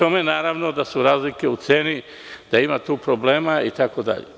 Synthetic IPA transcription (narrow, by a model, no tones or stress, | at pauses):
omenaːɾaʋnod̪asuɾaːzlike̞ut̪seːni | d̪̥aimat̪uːpɾoble̞ːmait̪ako̞d̪a̰ʎḛ